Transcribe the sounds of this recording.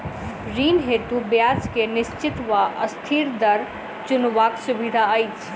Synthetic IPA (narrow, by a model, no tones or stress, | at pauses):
ɾiːnɦeːt̪ubjaːt͡ʃkenɪʃt͡ʃɪt̪ʋaʔɐ̰st̪ʰiːɾd̪ɐɾ | t͡ʃʊnʋaːksʊbɪd̪ʱaait͡ʃʰ